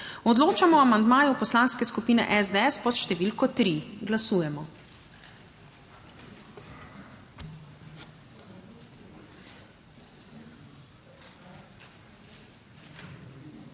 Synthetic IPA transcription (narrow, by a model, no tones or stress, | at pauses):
ɔd̪loːt͡ʃamɔamand̪maːjupɔslanskɛskupiːnɛ̰ʔɛzd̪ɛɛspɔt̪ʃt̪ɛʋilkɔt̪ɾiɡlasuːjɛmɔ